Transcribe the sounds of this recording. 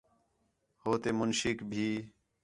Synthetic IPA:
hoːt̪eːmʊnʃɪkbʱiː

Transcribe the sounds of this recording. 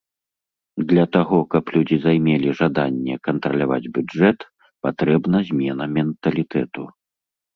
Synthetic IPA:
d̪lʲɐt̪aɣɔkɐplʲud͡zʲizajmʲɛlʲiʐad̪anʲːɛkɐnt̪ɾɐlʲava̰d͡zʲbʲuɛt̪ | pat̪ɾɛbn̪ɐzʲmʲɛnɐmʲɛnt̪ɐlʲit̪ɛt̪u

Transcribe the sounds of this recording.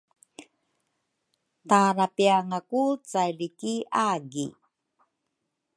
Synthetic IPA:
t̪aːɾapiaŋakut͡sajɾikiaːɡḭ

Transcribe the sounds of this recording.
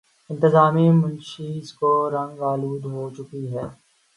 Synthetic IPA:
ɪ̃nt̪ɪzaːmimʊ̃nʃiskoɾɐ̃ŋɡʋaːluːd̪ɦot͡ʃʊkiɦɛː

